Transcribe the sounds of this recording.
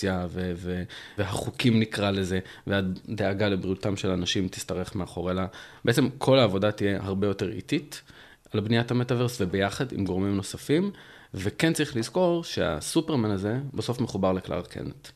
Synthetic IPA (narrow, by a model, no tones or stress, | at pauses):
javeveveɦaχukimnikʁaleze̞ | veaddeaɡalebʁiutamʃelanaʃimt̪i̥staʁe̞χmeaχo̞ʁelab̥eet͡semkʰo̞laːvo̞dat̪ije̞haʁbe̞jo̞te̞ʁḭtit | albnijathametave̞ʁsvebe̞jaχadḭmɡo̞ʁmimno̞safim | vekent͡saʁiχlizko̞ʁʃea̰supeʁmanaze̞baso̞fmeχubaʁlekla̰ʁkʰḛnet̪